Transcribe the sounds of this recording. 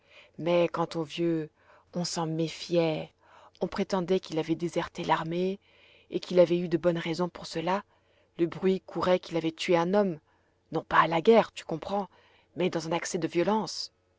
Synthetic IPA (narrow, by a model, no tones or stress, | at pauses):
mɛkɑ̃t̪ovjø | ɔ̃sɑ̃mefjɛ | ɔ̃pχet̪ɑ̃d̪ɛkilavɛd̪ezɛʁt̪elaʁme | ekilavɛyd̪əbɔnʁɛzɔ̃puʁsəla | ləbʁɥikʰuʁɛkilavɛt̪ɥeɛ̃nɔm | nɔ̃paːlaɡɛʁt̪y̥kɔ̃pχɑ̃ | mɛd̪ɑ̃zɛ̃naksɛd̪əvjɔlɑ̃s